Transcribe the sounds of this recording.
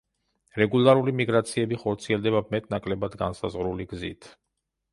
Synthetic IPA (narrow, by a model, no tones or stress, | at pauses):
ɾɛɡulˠaɾulimiɡɾat̪sʰiɛbiχɔɾt̪sʰiɛld̪ɛbamɛt̪ʼnakʼlɛbad̪ɡansa̰zʁɾuliɡzḭt̪ʰ